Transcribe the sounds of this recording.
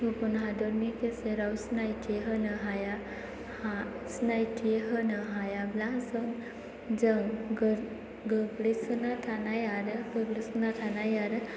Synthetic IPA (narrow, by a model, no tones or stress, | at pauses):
ɦupunɦad̪ɔɾnikeseɾawsnajt̪ʰiɦənəɦaja | ha | snajtʰieɦənəɦajablaɦsəŋɡ | d͡zəŋɡəɾ | ɡəɡɽesənat̪ʰanajaɾəɡəɡɽisənat̪ʰanajaɾə